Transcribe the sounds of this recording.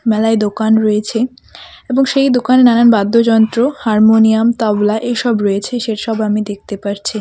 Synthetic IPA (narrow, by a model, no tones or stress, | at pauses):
mɛlaed̪okanɾɔjet͡ɕʰe | eboŋʃejd̪okanenananbad̪ʱːod͡ʑɔnt̪ɾohaɾmoniamt̪ɔblaʔeʃɔbɾɔjet͡ɕʰeʃeɾʃɔbamid̪ek̚t̪epaɾt͡ɕʰi